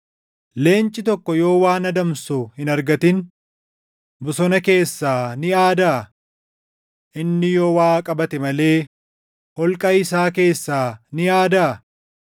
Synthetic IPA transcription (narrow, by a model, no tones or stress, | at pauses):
le̞ːnt͡ʃʼːɪt̪̬ɔkːɔjo̞ːwaːnɐd̪ɐmsuhɪnɐɾɡɐt̪ɪn | bʊsɔnɐke̞ːsːaːnɪjaːd̪a | ʔɪnːɪjoːwaːkʼɐbɐt̪ɛmɐle̞ː | hɔlkʼɐɪsaːke̞ːsːaːnɪjaːd̪a